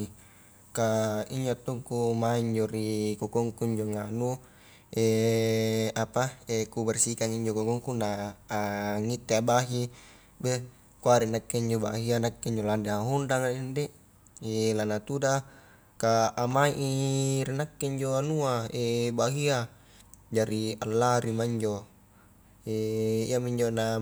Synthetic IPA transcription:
kaiɲd͡ʒoat̪ːuŋkumaiɲd͡ʒoɾikokɔŋkuiɲd͡ʒoŋanu | e | apaekubɛrsikaŋiɲd͡ʒokokɔŋkunaː | ŋit̪ːeabaɦi | be | kuaɾinakːeiɲd͡ʒobaɦianakːeiɲd͡ʒolandeaɦundaŋainde | elanat̪uda | kaʔamaiʔiɾinakːeiɲd͡ʒoanuaebaɦia | d͡ʒaɾialːaɾimaiɲd͡ʒo | eḭamiɲd͡ʒona

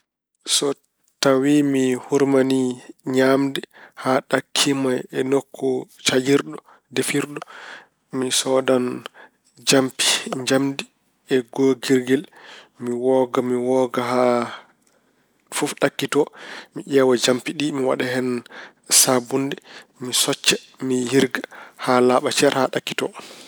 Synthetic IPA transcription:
sɔ | tawimihuɾmaniɲamdɛhaɗakʰːimajɛnokʰːɔt͡ʃajiɾɗɔ | defiɾɗɔ | misɔdan | d͡ʒampi̥ɲd͡ʒamdi | ɛɡoɡiɾɡɛlmiwɔɡamiwɔɡaɦa | fufɗakːitɔmiʔɛwad͡ʒampiɗimiwa̰ɗaɦɛn | sabundɛmisɔt͡ʃːɛ | mihiɾɡahalaːɓat͡ʃɛɾhaɗakːi̥tɔ

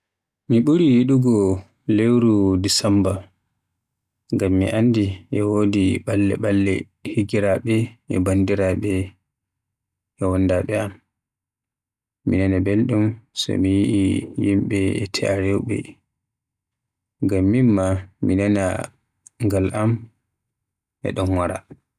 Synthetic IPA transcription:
miɓuɾijiɗuɡɔ | lewɾudisamba | ŋɡamːḭʔandiʔɛwodiɓalːɛ̰ɓalːɛ̰ | hiɡiɾaɓɛɛbandiɾaɓɛ | ɛwɔnːdaɓɛam | inanabelɗumsɔ̰mijiʔijimɓɛɛtʰɛ̰ʔaɾewɓɛ̰ | ŋɡamːimːaminana̰ | ŋɡalam | ʔɛ̰ɗɔnwaɾa̰

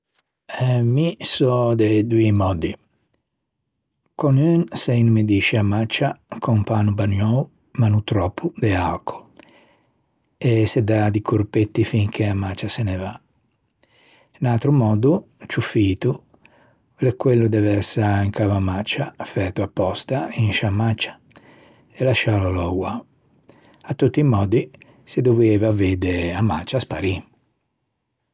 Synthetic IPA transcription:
ɛmisɔd̪ed̪uimɔːd̪i | kɔnynsɛjnumid̪iʃiamat͡ʃakʰɔmpaːnubanɔw | manut̪ɾɔːpʰːud̪eakʰo̥ | esed̪ad̪ikʰuɾpet̪ːifiŋk̟eamat͡ʃaseneva | inalt̪ɾumɔːd̪u | t͡ʃufiːt̪u | lekwelːud̪ɛvɛɾsaiŋkavamat͡ʃːafɛt̪uapːɔst̪ainʃamːat͡ʃḁ | elaʃːalalɔwwa | at̪ːut̪ːiːmɔːd̪i | sed̪ovɛvaved̪eamːa̰t͡ʃaspaɾi

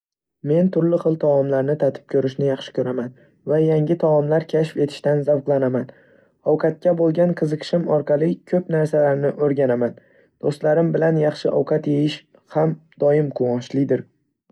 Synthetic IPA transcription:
me̞nt̪ʰʊɾlɪχɨlˠt̪ʰawɒmlaɾnɪt̪ʰat̪ʰɪ̥p̚kʲʰɵɾɪʃnɪjɑχʃɪ̥kʲʰɵɾaman | vajaŋɡʲɪt̪ʰaɒmlaɾkʲʰaʃfe̞t̪ʰɪ̥ʃt̪anzawqlˠanaman | ɒwqʰɑt̪̚kʲabolˠɡʲanqʰɨzɨqʰɨ̥ʃɪmɒɾqʰɑlˠɪkʲʰɵpnaɾsalaɾnɪʔɵɾɡʲanaman | d̪̥ost̪laɾɪmbɪlanjɑχʃɪʔɒwqʰɑt̪jejɪʃ | hamd̪̥ɒjɪmqʰʊwɒnʃlɪd̪ɪɾ

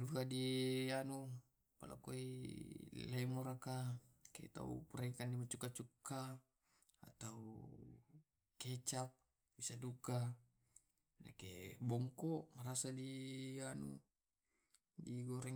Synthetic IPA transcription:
dukadianu | pa̰lʔa̰koḭ | laimoɾakakḛt̪a̰ṵpuɾekandimat͡ʃukat͡ʃukːa | a̰t̪au | kɛt͡ʃap̚ | bisaduka | na̰kḛbɔŋkɔʔmaɾasadianṵ | diɡɔɾɛ

